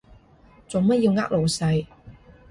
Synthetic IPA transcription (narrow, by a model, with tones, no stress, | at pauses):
t͡sʊ˨˩ŋmɐ˥t̚jiː˧wŋaː˥k̚lo˨wsɐ˧j